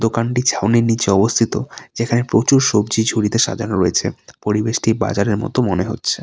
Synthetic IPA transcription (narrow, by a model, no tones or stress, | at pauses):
d̪okanʈit͡ɕʰawneɾnit͡ɕeɔbost̪ʰit̪od͡ʑekʰanepɾot͡ɕuɾʃobd͡ʑid͡ʑʱuɽit̪eʃa̰d̪ʱanoɾoet͡ɕʰḛpoɾibeʃʈiba̰d͡ʑaɾeɾmɔ̰t̪omoneɦo̰tːɕʰe